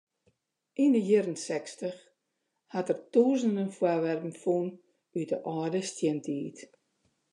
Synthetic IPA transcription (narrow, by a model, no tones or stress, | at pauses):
ʔindəjɪɾənsɛkstəx | hatərtuːzəndənfwaʋɛrpn̩fun | ytəʔɔːdəstjɪntʰiːt